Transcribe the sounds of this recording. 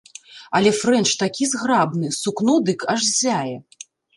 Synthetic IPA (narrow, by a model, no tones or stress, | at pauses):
ɐlʲɛfɾɛnt͡ʂt̪akʲizɣrabn̪ɨsuknɔd̪ɨkʰaʐzʲajɛ